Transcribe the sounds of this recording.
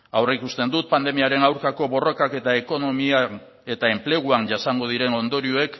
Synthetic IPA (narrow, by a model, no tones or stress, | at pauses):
awreikust̪e̞nd̪ut̪̚pand̪e̞miaɾe̞nawɾkako̞βo̞ro̞kake̞t̪ae̞ko̞no̞mia | e̞t̪ae̞mple̞ɣ̞uanʝasaŋɡo̞ð̞iɾe̞no̞nd̪o̞ɾioe̞k